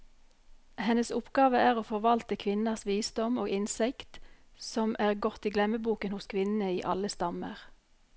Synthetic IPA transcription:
hɛnəsʊpɡɑːʋəæːʁoːfɔʁʋɑlt̪əkʰʋɪnɑsʋiːsd̪ɔmoːɡɪnsɪkt̪ | sɔmʔæːʁɡɔt̪ːiːɡlɛməbuːkənhʊskʰʋɪnnəiːʔɑləst̪ɑmə̰ʁ

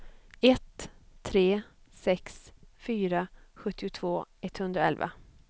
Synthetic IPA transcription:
ɛt̪ʰːɾeː | sɛksfyːɾaɧɵt̪ːɪʊt̪ʰvoːɛt̪hɵnd̪ɾaɛ̰lva̰

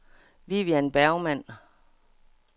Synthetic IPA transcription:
ʋiʋiænb̥æɐʊmæn̰

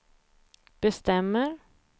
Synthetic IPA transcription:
b̥ɛst̪ɛmːəɾ

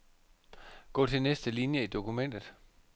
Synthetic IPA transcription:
ɡ̥ɔ̰ːt͡sʰe̝lnesd̥əlinjəid̥o̝kumen̰d̥ð̩ˠ

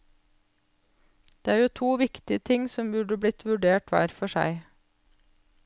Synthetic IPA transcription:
d̪̥eːæːjuːt̪ʰuːʋɪkt̪ɪət̪ʰɪŋsɔmbʉɖəbɽɪt̪ʰʋʉɖeːʈʋæ̰ɾfɔʃæ̰ɪ

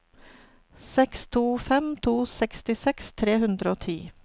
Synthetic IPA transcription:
sɛkst̪ʰuːfɛmt̪ʰuːsɛkst̪ɪsɛkst̪ʰɾeːhʉnd̪ɾəoːt̪ʰḭː

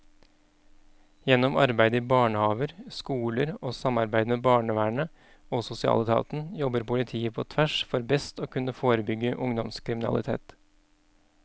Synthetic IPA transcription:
jɛnːɔmɑɾbæɪd̪əiːbɑːɳəhɑːʋəɾskuːləɾoːsɑmɑɾbæɪd̪əmebɑːɳəʋæːɳə | oːsʊsɪɑ̰ːlət̪ɑ̰ːt̪n̩jɔbəɾpʊlɪt̪ʰiːəpʰoːt̪ʰʋæʂfɔɾbɛst̪oːkʰʉnːəfoːɾəbʏɡəʔʊŋd̪ɔmskʰɾɪmɪnɑ̰lʔɪ̰t̪ʰḛːt̪

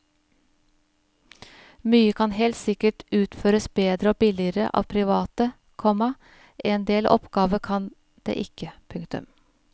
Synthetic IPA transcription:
myːəkʰɑnheːlt̪sɪkəʈʔʉːt̪føːɾəsbeːd̪ɾəoːbɪlɪəɾə̰ʔɑ̰ːʋpʰɾɪʋɑːt̪ə | kʰɔmɑ | ʔeːnd̪eːlʔɔ̰pɡ̥ɑːʋəkʰɑn | d̪̥ḛːʔɪkəpʰʉŋkt̪ʉ̰m

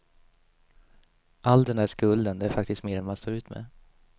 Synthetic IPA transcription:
ʔald̪ɛndæːʂkɵld̪ənd̪ɛæɾfak̚t̪ɪst̪meːɾɛnmanst̪oːɾʉ̟ːt̪mɛ̰

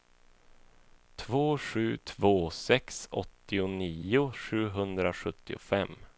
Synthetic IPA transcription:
t̪ʰvoːɧʉ̟ːt̪ʰvoːsɛksɔ̰t̪ːɪʊniːʊʂʉ̟ːɦɵnd̪ɾaɧɵt̪ːɪʊ̰fɛm

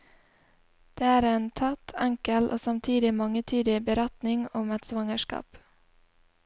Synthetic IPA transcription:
d̪̥ɛæɾɛnt̪ʰat̪ʰːaŋkəlʔɔ̰samt̪ʰiːd̪ɪmɔŋːət̪ʰyːd̪ɪbɛɾat̪nɪŋɔmɛt̪svɔŋːəʂkɑ̰ːp

